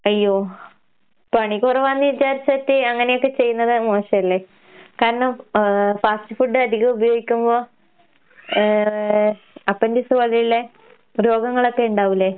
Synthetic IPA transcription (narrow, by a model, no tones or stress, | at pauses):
ɐjːoː | pɐɳikureʋaːnːiʋit͡ɕaːɾit͡ɕːɐɐtːiɐŋːɐne̞jokːe̞t͡ɕe̞jːunːɐðɨmo̞ːʂɐjɐlːe | kaːɾɐɳɐmfaːstɨfuɖɨɐd̪iɣɐubɐjoːɡikʲːumbo̞ː | ɐpːɐndisuʋɐɭijilːe | ɾo̞ːɡɐŋːɐɭo̞kːe̞uɳɖaːʋilːe̞